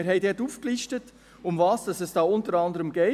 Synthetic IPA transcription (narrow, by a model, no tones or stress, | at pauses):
ɪɾɦhɛɪdɛtuːfkliʃtət | ʊmvɑːsd̥ɑsɛsd̥ɑːʊntəɾɑndəɾəmɡɛɪ